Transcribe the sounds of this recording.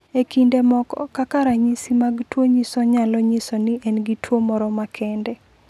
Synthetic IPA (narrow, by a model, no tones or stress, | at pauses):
ekindemɔkɔ̰kakaɾaɲisimaɡtwoɲisɔɲalɔɲisɔnɪʔɛnɡitwomɔɾɔmakʰɛndɛ